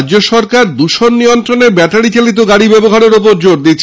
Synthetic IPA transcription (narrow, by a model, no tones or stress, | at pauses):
d͡ʑoʃɔɾkaɾd̪uʃonːijont̪ɾoneɾbɛʈaɽit͡ɕelit̪̬oɡaɽibɛboɦaɾeɾopoɾd͡ʑoɾd̪it͡ɕʰ